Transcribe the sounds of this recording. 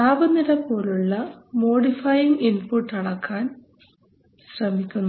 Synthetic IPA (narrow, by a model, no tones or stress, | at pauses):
aːʋɐnːiɾepːo̞ːluɭːɐmo̞ːɽifɐjiŋɡinpuʈːɐɽɐkʰːaːn | ɕrɐmikʲːunːɐ